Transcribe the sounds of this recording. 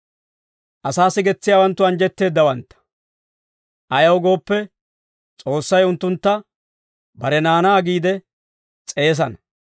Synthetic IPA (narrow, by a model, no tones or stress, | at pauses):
ʔɐsaːsːɪɡɛt͡sːɪjaːwɐnt̪ːʊɐnd͡ʒɛt̪ːe̞ːd̪ːɐwɐnt̪ːɐ̥ | ʔɐjɐwɡo̞ːpːɛ | t͡sʼo̞ːsːɐjʊnt̪ːʊnt̪ːɐ | bɐɾɛnaːnaːɡiːd̪ɛ | t͡sʼe̞ːs̬ɐnɐ